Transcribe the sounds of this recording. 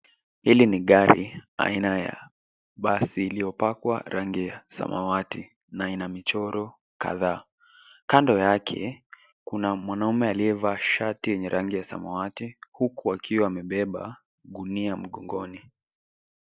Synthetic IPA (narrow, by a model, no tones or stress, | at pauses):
hiliniɠaɾḭa̰inaja̰ | ɓasiːlijɔpakwa̰ɾaŋɡijasa̰ma̰wati | nainamit͡ʃɔɾɔ | ka̰ðaː | kandɔjakʰɛ̰ | kunamwanaumɛaliɛvaʃatijɛɲɛɾʔaŋɡijasa̰mawatihukuakʰiwaːmɛɓɛɓa | ɠuniam̩ɠɔŋɡɔni